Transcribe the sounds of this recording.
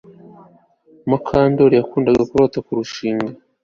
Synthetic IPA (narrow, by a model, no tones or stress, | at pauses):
makʰaːndoɾijakuːndaɡakuɾoːtakuɾuʃiːŋɡa